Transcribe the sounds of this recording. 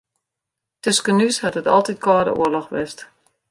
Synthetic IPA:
tøskənyshatətɔ̰lˠtit̚kɔːdə̰ṵəlɔxʋɪst

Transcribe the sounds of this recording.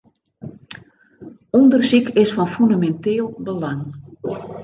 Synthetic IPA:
ɔndərsikɪsfɔnfundamɛnteːlˠbəlaŋ

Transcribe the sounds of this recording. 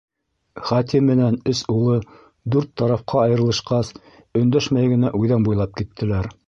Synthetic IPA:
χɑt̪imːɘ̆nænɵsulˠɤ | d̪ʉɾt̪ːɑɾɑfqɑɑjɤ̆ɾɤ̆lˠɤ̆ʃqɑs | ɵ̆nd̪æʃmæjɡɘ̆næʔujðænbujlˠɑp̚kit̪ʰːɘ̆læɾ

